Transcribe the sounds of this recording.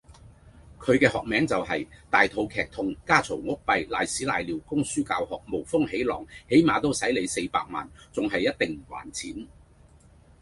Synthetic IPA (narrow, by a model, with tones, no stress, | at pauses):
kʰɵ˨˧ɥkɛː˧hɔː˨k̚mɛː˨˥ŋt͡sɐ˨whɐ˨jt̪aː˨jt̪ʰo˧wkʰɛː˨˩k̚t̪ʰʊ˧ŋkaː˥t͡sʰo˨˩wŋʊ˥k̚pɐ˧jlaː˨jsiː˨˥la̰ː˨jliː˨˩wkʊ˥ŋsyː˥kaː˧whɔː˨˩k̚mo˨˩wfʊ˥ŋhe˨˥jlɔː˨˩ŋhe˨˥jmaː˨˧t̪o˥wsɐ˨˥jle˨˧jse˧jpaː˧k̚ma̰ː˨nt͡sʊ˨ŋɦɐ˨jːɐ˥t̚t̪ɪ˨ŋm̩˨˩wa̰ː˨˩nt͡sʰiː˨˥n